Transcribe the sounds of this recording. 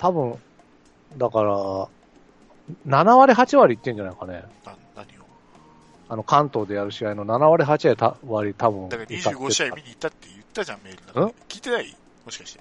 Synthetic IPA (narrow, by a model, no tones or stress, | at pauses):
t̪abɯ̟̃ɴ | d̪akaɾa | nanaβaɾʲiɦat͡ɕiβaɾʲiːt̪ːẽ̞ɲ̟d͡ʑanaikane̞̰nanaɲʲio | ano̞kʰãnt̪o̞ːd̪e̞jaɾɯ̟ɕiaino̞nanaβaɾʲiɦat͡ɕiait̪aβaɾʲit̪abɯ̟̃d̪akaiikːaɡoeɕiaiiɲiːt̪ːat̪ːejɯt̪ːaãmme̞ːɾɯnaɯ̃kʲiːt̪enai | mo̞ɕi̥kḁɕi̥t̪e